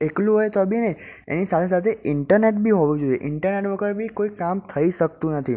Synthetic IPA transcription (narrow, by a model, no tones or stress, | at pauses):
ekluɦojt̪əbʱineḛnisat̪ʰesat̪ʰeʔɪɳʈəɾneʈ̚bʱiɦoʋũd͡ʒoieʔɪɳʈəɾneʈʋəɡəʈbʱikoikamt̪ʰəiʃək̚t̪ũnət̪ʰi